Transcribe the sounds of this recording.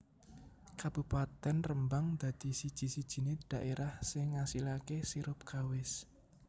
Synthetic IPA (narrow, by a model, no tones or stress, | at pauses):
kab̥ṳpat̪ɛnrəmbaŋd̪̥ä̤d̪̥i̤sid̥ʒ̥i̤sid̥ʒ̥i̤ned̪̥a̤ʔeɾʔahsɪŋːasilakesiɾʊp̚kawɪs